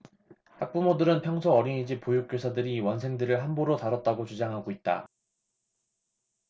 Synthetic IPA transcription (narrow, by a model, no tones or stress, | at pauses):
hak̚p͈umodɯɾɯnpʰjʌŋsʰʌʌɾiɲid͡ʑipojuk͈osʰadɯɾiwʌnsʰe̞ŋdɯɾɯɭɦanboɾotaɾʌt̚t͈aɡot͡ɕud͡ʑaŋɦaɡoit̚t͈a̰